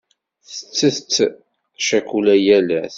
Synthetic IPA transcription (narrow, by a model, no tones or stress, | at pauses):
θə̥t͡sːəθt͡sː | ʃækulæjælæθ